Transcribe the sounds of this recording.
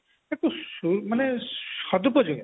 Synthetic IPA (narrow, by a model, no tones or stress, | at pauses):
ekusumanesɔd̪upɔd͡ʒu